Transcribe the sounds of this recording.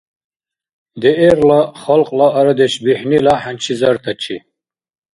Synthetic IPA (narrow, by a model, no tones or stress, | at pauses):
d̪ɛʔɛɾlaχalqʼlaːɾad̪ɛʃbiħnilaħant͡ʃʰizɐɾt̪ʰat͡ʃʰḭ